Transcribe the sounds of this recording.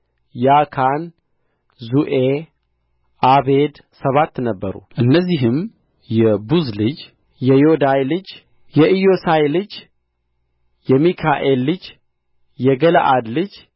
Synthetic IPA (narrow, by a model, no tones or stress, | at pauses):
jakʰan | zuʔe | ʔaβed̪ | səβat̪ːnəbːəɾṵʔɨnːəzːiɦɨm | jɛbuzlɨd͡ʒ | jɛjod̪ajlɨd͡ʒ | jɛʔijosajlɨd͡ʒ | jɛmikʰaʔelːɨd͡ʒ | jɛɡələ̰ʔad̪lɨd͡ʒ